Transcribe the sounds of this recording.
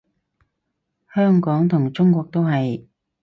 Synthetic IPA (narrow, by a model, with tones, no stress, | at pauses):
hœː˥ŋkɔː˨˥ŋt̪ʰʊ˨˩ŋt͡ʃʊ˥ŋkʷɔː˧k̚t̪o˥wɦɐ˨j